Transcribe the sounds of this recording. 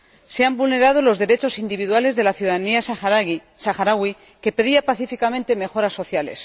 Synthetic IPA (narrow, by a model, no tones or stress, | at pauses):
se̞ambulne̞ɾað̞o̞lo̞zðe̞ɾe̞t͡ʃo̞sind̪iβiðwale̞zðe̞laθjuðaniasasaxaɾaɣwi | ke̞pe̞ðiapaθifikamẽnt̪e̞me̞xo̞ɾasːo̞θjale̞̰s